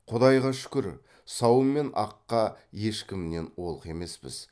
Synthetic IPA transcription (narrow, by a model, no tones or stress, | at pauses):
qʰʊd̪ɑjʁɑʃʏ̥kʲɪɾ | sɑwəmːe̞nɑqːɑje̞ʃkʲɪmne̞nwo̞lˠəqe̞me̞spɪ̰z̥